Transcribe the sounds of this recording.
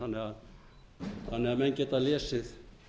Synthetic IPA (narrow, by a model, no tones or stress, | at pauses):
ɑneɑ | ɑnɑmæŋʲket̪ɑliessit̪